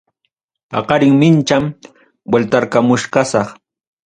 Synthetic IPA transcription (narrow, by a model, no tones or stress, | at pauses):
pɑ̰qɑɾɪŋmɪnt͡ʃam | welt̪aɾkamʊʃkɑsɑχ